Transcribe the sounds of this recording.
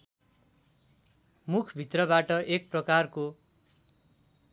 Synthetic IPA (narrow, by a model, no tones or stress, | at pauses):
mukʰbʱit̪rʌbaʈʌʔek̚prʌkarko